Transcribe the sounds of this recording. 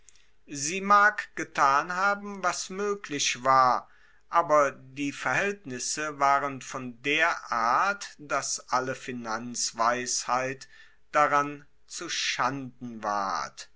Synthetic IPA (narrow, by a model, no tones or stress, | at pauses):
ziːmaːkɡ̥ətʰaːnhaːbm̩vasmøːklɪʃv̥aːɐ | ʔaːbɐdiːfɛɐɦɛltnɪsəvaːʁənfɔndeːɐʔaɐtd̥asʔaləfinant͡sv̥aɪshaɪt | d̥aʁan | t͡suʃandn̩va̰ɐt